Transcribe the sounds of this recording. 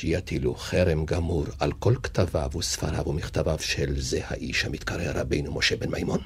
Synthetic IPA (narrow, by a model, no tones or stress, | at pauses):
ijat̪iluχeɾemɡamuɾalko̞lkt̪avavusfaʁavumiχt̪avavʃelzeha̰ʔiʃhamit̪kaʁeɾabejnumo̞ʃebenmajmon